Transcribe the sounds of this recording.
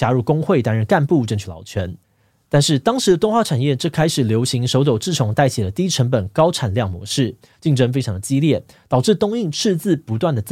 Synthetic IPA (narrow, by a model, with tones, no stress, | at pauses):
t͡ɕja˥ɻu˥˩kʊ˥ŋxwe˥˩ɪt̪a˥nɻə˥˧nka˥˧npu˥˨ʈ͡ʂə˥˧nt͡ɕʰy˥˩lɑ̰˨˩ʊt͡ɕʰɥɛ˧˥n | t̪a˥˧nʂɻ̩˥˩t̪ɑ˥ŋʂɻ̩˧˦ə˧ʊ˥˧ŋxwa˥˩ʈ͡ʂʰa˨˩njɛ˥˩ʈ͡ʂɤ˥˩kʰa˥ɪʂɻ̩˨˩ljo˧˥ʊɕi˧˥ŋʂo˧˥ʊt̪o˨˩ʊʈ͡ʂ̩˥˩ʈ͡ʂʰʊ˧˥˦ŋt̪a˥˩ɪt͡ɕʰi˨˩lə˦t̪i˥ʈ͡ʂʰə˧˥ŋpə˨˩nkɑ˥ʊʈ͡ʂʰa˨˩nljɑ˥˨˩ŋmwɔ̰˧˥ʂɻ̩˥˩ | t͡ɕi˥˩ŋʈ͡ʂə˥˧ŋfe˥ɪʈ͡ʂʰɑ˧˥ŋd̪ə˨t͡ɕi˦˥ljɛ˥˩ | t̪ɑ˨˩ʊʈ͡ʂɻ̩˥˩t̪ʊ˥ŋi˥˧ŋʈ͡ʂʰɻ̩˥˧t͡sɹ̩˥˩pu˧˦t̪wa˥˩nd̪ə˩t͡s